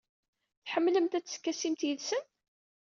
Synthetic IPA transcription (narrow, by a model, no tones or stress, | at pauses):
θħəmːləmt̪æt͡sːkːæsimt̪jəlsən